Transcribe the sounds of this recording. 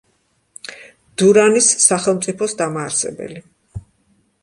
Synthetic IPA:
d̪̥uɾanisːaχɛlˠmt̪sʼipʰɔsd̪amaːɾsɛ̰bɛ̰li

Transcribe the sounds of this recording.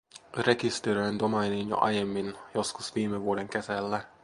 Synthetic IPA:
reɡist̪eɾøɛnd̪omɑjninjo̰ʔɑ̰jemːinjoskusʋiːmɛʋoːd̪eŋkɛzɛlːɛ

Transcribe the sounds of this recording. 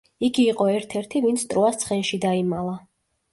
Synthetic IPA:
iɡiːqʼɔɛɾt̪ʰɛɾt̪ʰivint̪sʰt̪ʼɾɔast̪sʰχɛnʃid̪aimalˠa

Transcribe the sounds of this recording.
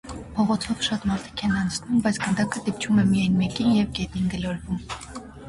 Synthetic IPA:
pʰɔʁɔt͡s̪ʰɔvʃɑt̪mɑɾt̪ʰi̥kʰɛnɑnt͡sʰnumbɑjt͡sʰɡənd̪ɑkʰəd̪ip̚t͡ʃʰumɛmijɑjnmɛkinjɛvɡɛt̪inɡəlɔɾvum

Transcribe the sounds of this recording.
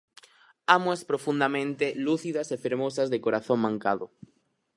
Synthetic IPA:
amwaspɾofund̪amẽnt̪eluθiðɐsefeɾmosɐzðekoɾaθoŋmãŋkaðʊ

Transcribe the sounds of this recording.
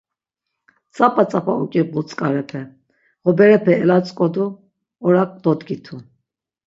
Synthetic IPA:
t͡sʼapʼat͡sʼapʼaukʼibɔt͡sʼkʼaɾɛpʰɛ | ʁɔbɛɾɛpʰɛːlat͡sʼkʼɔd̪u | ɔɾak̚ʼd̪ɔd̪ɡit̪ʰu

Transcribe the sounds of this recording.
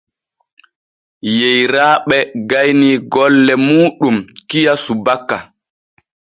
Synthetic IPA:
jejɾaːɓɛɡajniɡɔlːɛmuːɗumkijasubakːa

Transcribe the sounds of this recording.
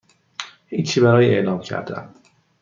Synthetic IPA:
hiːt͡ʃʰibæɾɒːjie̞ʔlɒːmcʰæ̰ɾd̪æ̰n

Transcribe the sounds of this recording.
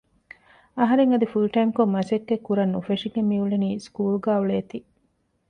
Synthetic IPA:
ɐɦɐɾeŋɐd̪ifulʈɐjmkomːɐsekːekːuɾɐnːufeʂiɡemiuɭeniːskuːluɡaːuɭeːt̪i

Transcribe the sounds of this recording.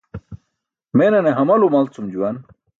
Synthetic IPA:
menɐneɦɐmɐlumɐlt͡sumd͡ʑuwɐn

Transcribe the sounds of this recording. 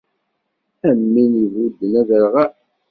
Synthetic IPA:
æmːinjəvud̪ːənæðəɾʁa

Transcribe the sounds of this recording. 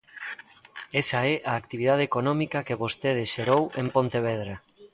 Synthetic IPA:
ɛsaɛʔaːkt̪iβiðað̞ekonɔmikɐkeβost̪eð̞ɪʃeɾowempont̪eβ̞ɛðɾa

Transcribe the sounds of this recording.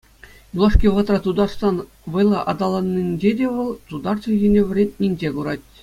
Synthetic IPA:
julˠɑʂkʲiʋɤ̆t̪rɑt̪ud̪ɑrʂsɑn | ʋɤ̆jlˠɑʔɑ̰d̪ɑlˠɑnʲːinʲd͡ʑedʲeʋɤ̆lˠt̪ud̪ɑrt͡ɕɤ̆ʑʲinʲĕʋ̆ʲrʲetʲnʲinʲd͡ʑeɡuɾɑtʲ

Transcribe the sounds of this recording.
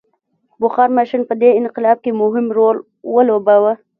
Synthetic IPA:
bʊxɑɾmaʃɪnpəd̪eɪnqɪlɑb̚kemʊɦɪmɾol | wəlobawə

